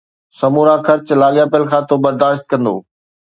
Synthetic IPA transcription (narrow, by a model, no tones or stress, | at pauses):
sɐmuːɾakʰɐɾt͡ɕlaːɠjapəlkʰãːt̪obɐɾd̪aːʃt̪kɐ̃nd̪o̰ː